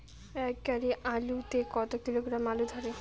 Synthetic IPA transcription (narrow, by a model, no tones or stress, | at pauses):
ɛkːaɾiʔalut̪ekɔt̪ɔk̚t̪ilokɾamalud̪ʱaɾe